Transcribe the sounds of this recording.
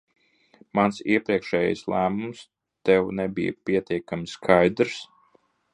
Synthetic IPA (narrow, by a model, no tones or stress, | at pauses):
mansiɛpɾiɛkʃɛːj̰jslˠæːmums | t̪ɛwnɛbḭjpʲiɛt̪iɛkamiskʰajd̪ɾs